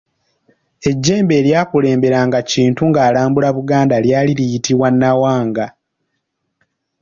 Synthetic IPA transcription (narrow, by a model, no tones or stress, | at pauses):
e̞ɟːe̞ːmbe̞ːljaːkule̞ːmbe̞ɾaŋɡaciːntuŋɡaːlaːmbulaβuɡaːndaljaːlilijitiβwanːawaːŋɡa